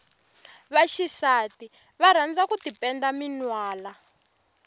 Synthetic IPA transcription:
βaʃisati | βaɾ̤and͡zakutipɛndaminwaːla

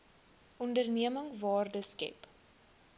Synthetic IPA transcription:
ʔɔndərniəməŋvɑːrdəskɛ̰p

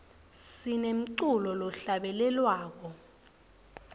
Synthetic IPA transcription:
sinem̩ǀulɔlɔɬaɓɛlɛlwaːk̬ɔ

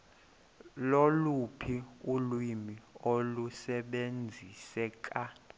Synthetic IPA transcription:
lolupʰiulwimiolusɛɓend͡zʱisɛk̬ʼa

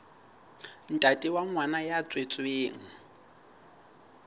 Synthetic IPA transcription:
n̩tʼatʼiwaŋwanajat͡sʼwet͡sʼweːŋ̩

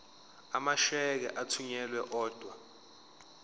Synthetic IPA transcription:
amaʃɛk̬ɛ̰ʔatʰuɲɛlwɛʔɔːd̥ʱwa

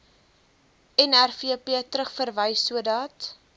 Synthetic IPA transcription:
ɛnærfiəpiətɾəχfərvəjsuədɑːt

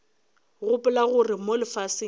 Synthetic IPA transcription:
ɣʊpʼɪlaɣʊrɪmolɪfasɪ

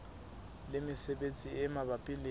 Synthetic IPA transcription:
lemisɛɓent͡sʼiɛmaɓapʼile

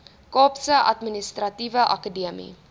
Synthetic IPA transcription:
kɑːpsəʔɐtministɾɐtivəʔɐ̰kədiəmḭ

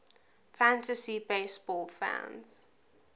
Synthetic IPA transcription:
fæ̃ntəsibeɪsb̥ɔlfã̰nz̥

